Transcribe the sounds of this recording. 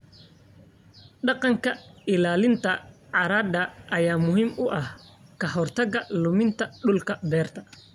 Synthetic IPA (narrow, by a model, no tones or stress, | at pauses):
ɖɑqɑŋkʰɐɪlaːlɪnt̪ʰɐʕɑɾaːd̪ɐʔɐjaːmʊɦiːmʔʊʔɐhkʰɐɦɔrt̪ʰɐɣɐlʊmɪnt̪ʰɐɖʊlkʰɐb̪ɛːrt̪ʰɐ